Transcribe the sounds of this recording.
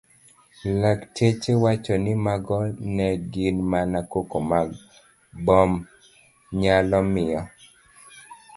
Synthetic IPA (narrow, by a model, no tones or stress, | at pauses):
laktet͡ʃewat͡ʃɔnɪmaɡɔnɛɡɪnmanakokomaɡ | bɔm | ɲalɔmɪɔ